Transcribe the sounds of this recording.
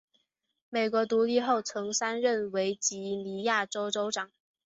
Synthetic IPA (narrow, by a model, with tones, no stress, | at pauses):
me˨˩ɪkwɔ˧˥t̪u˧˥li˥˧xo˥˩ʊt͡sʰɤ˧˥ŋsa˥nɻə˥˩nwe˧˥ɪt͡ɕi˧˥li˧˥ja˥˩ʈ͡ʂo˥ʊʈ͡ʂo˥ʊʈ͡ʂɑ˨˩˦ŋ